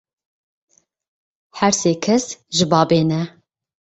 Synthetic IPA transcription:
hæɾseːkʰɛsʒɨbɑːbeːnɛ

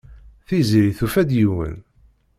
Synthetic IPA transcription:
θiziɾiθufæd̪juwə̰n

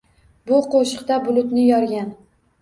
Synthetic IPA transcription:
bʊqʰoʃɨqt̪abʊlˠʊt̪nɪjɒɾɡʲan

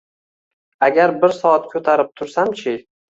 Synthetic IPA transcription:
aɡʲaɾbɪɾsɒat̪̚kʰɵt̪ʰaɾɪp̚t̪ʰʊɾsamt͡ʃʰɪ

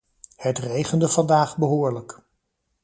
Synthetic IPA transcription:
hətrejχəndəvɑndaːχbəɦoːɹlək

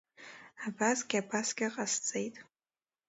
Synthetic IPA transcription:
abasɡʲabasɡʲaqʼast͡sʼejtʼ

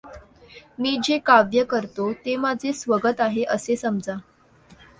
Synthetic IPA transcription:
miːd͡ʑekaʋjəkəɾt̪ot̪emad͡zʱesʋəɡət̪aɦeʔəsesəmd͡za

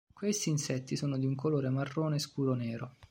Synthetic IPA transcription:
kwest̪iːnsɛt̪ːisoːnod̪iuŋkoloːɾemarːoːneeskuːɾonɛːɾo

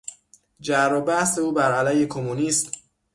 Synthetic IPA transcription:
d͡ʒærɒbæhseuːbæɾʔælæjekʰomuniːst̪

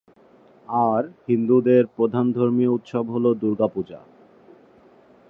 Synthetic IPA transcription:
aɾhind̪ud̪eɾpɾod̪ʱand̪ʱoɾmiout̪ʃobɦolod̪uɾɡapud͡ʑa̰

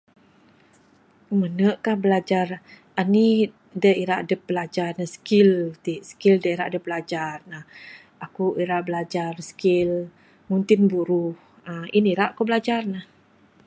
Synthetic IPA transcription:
mənəʔkahbəlad͡ʒar | ani | dəiɾaʔdəpəlad͡ʒarnaskilt̪iʔsə̥kildəiɾaʔdəpəlad͡ʒarnah | akuʔiɾaʔbəlad͡ʒarskil | munt̪ɪnbuɾuh | ainiɾaʔakubəlad͡ʒarnah

